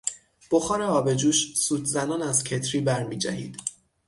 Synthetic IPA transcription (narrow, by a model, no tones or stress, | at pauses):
b̥oxɒːɾeɒːbe̞d͡ʒuːʃsuːd̪zænɒːnæz̥cʰe̞t̪ʰɾiːbæɾmiːd͡ʒæ̰hḭːd̪̥